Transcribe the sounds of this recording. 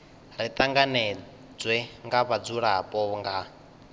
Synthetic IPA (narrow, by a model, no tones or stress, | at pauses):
ɾit̪ʼaŋɡanɛ | d͡zwɛŋɡaβad͡zuɺapʼɔŋɡa